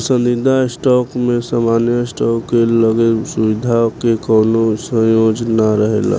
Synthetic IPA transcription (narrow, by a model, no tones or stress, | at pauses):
sənd̪id̪ʱasʈɔkmesamanjəsʈɔkːeləɡesubid̪ʱakekəwnosə̃jod͡ʒnaɾəɦḛla̰